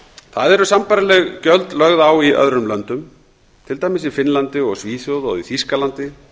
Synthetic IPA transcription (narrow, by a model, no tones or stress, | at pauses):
θaðɛɾʏsampajɾalɛɣcœlt̪lœɣðawiʔœ̰ðɾʏmlœnt̪ʏm | t̪ʰɪlt̪aːjmɪsifɪnlant̪ɪɔɣsviːθjowðɔ̰ɣiθiskalant̪ɪ